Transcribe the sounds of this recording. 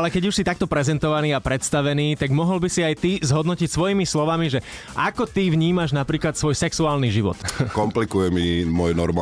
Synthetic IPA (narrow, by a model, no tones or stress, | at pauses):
alɛkɛɟuʃsit̪ak̚t̪ɔpɾɛzɛnt̪ɔʋaniːapɾɛt̪st̪aʋɛniːt̪aɡmɔɦɔlbisiajt̪izɦɔd̪nɔcicsʋɔjiːmislɔʋamiʒɛ | ʔakɔt̪iʋɲiːmaʒnapɾiːklat̪sʋɔjsɛksuaːlniʒiʋɔ̰t̪kɔmplikujɛmimɔjnɔɾma